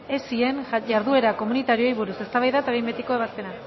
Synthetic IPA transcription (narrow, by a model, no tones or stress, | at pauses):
e̞sie̞nʝaɾðue̞ɾako̞munit̪aɾio̞jβuɾuse̞st̪aβajðaet̪aβejmbet̪iko̞e̞β̞aspe̞na